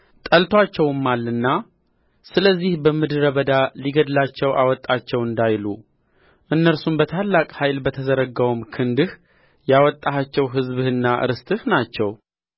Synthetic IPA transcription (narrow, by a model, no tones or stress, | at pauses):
t̪ʼəlt̪ʰwat͡ʃːɛwɨmːalːɨnːa | sɨləzːihbəmɨd̪ɨɾəβəd̪aliɡəd̪lat͡ʃːɛwʔa̰wɔt̪ʼːat͡ʃːɛwɨnd̪ajlu | ʔɨnːəɾsumbət̪ʰalːakʼhajlbət̪ʰəzəɾəɡəwumkʰɨnd̪ɨh | jawɔt̪ʼːaɦat͡ʃːɛwɦɨzβhɨnːaʔɨ̰ɾɨst̪ʰɨhnat͡ʃːɛw